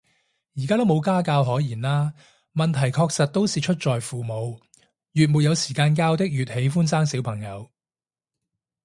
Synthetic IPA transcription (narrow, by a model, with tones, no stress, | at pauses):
jiː˨˩kaː˥t̪o˥wmo˨˧wkaː˥kaː˧wɦɔː˨˥jjiː˨˩nlaː˥ | mɐ˨nt̪ʰɐ˨˩jkʰɔː˧k̚sɐ˨t̚t̪ːo˥wsiː˨t͡ʃʰɵ˥t̚t͡ʃɔː˨jfuː˨mo˨˧w | jyː˨t̚muː˨t̚jɐ˨˧wsiː˨˩kaː˧nkaː˧wt̪ɪ˥k̚jyː˨t̚he˨˥jfuː˥nsaː˥ŋsiː˨˥wpʰɐ˨˩ŋjɐ˨˧w